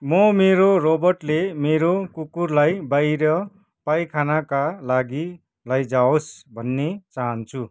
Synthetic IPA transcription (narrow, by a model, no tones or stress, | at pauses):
mʌmeɾoɾobʌrʈlemeɾokukurlajbajɾʌ | pajkʰanakalaɡi | lajd͡zaosbʱʌnːet͡saɦʌnt͡sʰu